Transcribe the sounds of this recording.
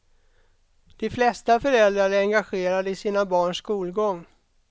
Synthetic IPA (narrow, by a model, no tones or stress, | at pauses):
d̪̥ɪflɛst̪afœɾɛld̪ɾaɾæɾɛŋɡaɧeːɾad̪əɪsiːnabɑːɳʂkuːlɡɔŋː